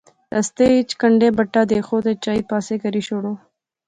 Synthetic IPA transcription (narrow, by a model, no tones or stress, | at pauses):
t̪ast̪eit͡ʃkəɳɖebəʈːad̪exod̪et͡ʃɑːipɑːsekəɾiʃoɽo